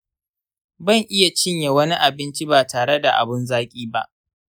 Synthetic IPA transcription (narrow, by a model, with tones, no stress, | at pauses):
bɐ˦˨ŋʔɪ˦ja˨t͡ʃɪ˦ɲje˨wɐ˦ni˦ʔa˨bɪ˦nt͡ʃi˦baː˨taː˨ɽe˦da˨ʔa̰˨bɪ˦nzaː˦kʲʼiː˦ba˦ʔ